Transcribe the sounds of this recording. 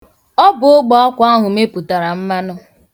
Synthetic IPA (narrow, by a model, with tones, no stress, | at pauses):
ɔ˦bʊ˨o˦ɡ͡bɔ˦ɔ˦kʷa˦ɦʊ˨me˦pu˨ta˨ɾa˨m̩˦ma˦nʊ˦